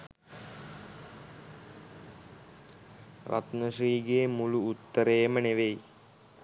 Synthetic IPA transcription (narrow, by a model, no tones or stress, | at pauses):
ɾa̰t̪nəʂriːɡeːmuluːt̪ːəɾejməneʋej